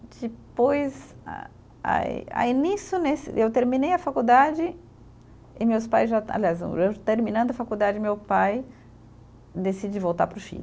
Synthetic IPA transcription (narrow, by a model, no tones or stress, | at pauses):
d͡ʒɪpojz | a̰ | a̰a̰inisjʊnesɪ̰ʔewt̪eɾmĩnejɐfakud̪ad͡ʒɪ | ɪmewspajzʒaa̰liazõ̰ewt̪eɾmĩnɐ̃nd̪ʊɐfakud̪ad͡ʒɪmewpaj | d̪esid͡ʒivowt̪a̰ɾpɾʊfḭlʊ